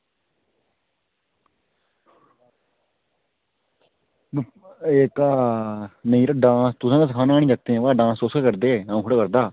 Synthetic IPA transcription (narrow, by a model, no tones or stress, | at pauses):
eːkaː | nəiːɾaɖãːst̪ʊsãːkaːsəkʰaːnaːɽĩːd͡ʒək̚t̪eɛ̃ːʋaːɖãːsoːsakəɾd̪eːãːkɽaːkəɾd̪aː